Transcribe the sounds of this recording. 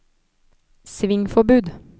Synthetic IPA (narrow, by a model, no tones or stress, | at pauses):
sʋɪŋfɔbʉːd̪